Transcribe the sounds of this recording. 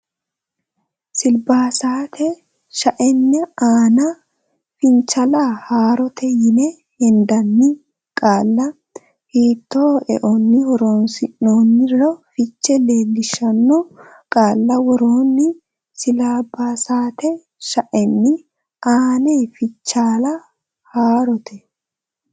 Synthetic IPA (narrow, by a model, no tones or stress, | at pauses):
sɪlbaːsaːt̪ɛ | ʃɐʔɛnːɛaːnɐ | fɪnt͡ʃːɐlahaːɾɔt̪ɛjɪnɛ | hɛnd̪ɐnːɪ | kʼaːlːɐ | hiːt̪ːoːɛʔɔnːɪwɔɾoːnsɪnːoːnːɪrɔfɪt͡ʃːɛleːlːɪʃːɐnːɔ | kʼaːlːɐwɔɾoːnːɪ | sɪlaːbːaːsaːt̪ɛ | ʃɐʔɛnːɪ | ʔaːneːfɪt͡ʃːaːlɐ | haːɾɔt̪ʰɛ